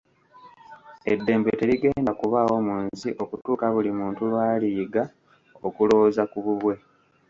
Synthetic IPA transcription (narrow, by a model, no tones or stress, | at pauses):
edːe̞ːmbete̞liɡe̞ːndakuβaːwo̞muːnsiʔo̞kutuːkaβulimuːntulwaːliːɡa | o̞kulo̞ːzakuβuβwe̞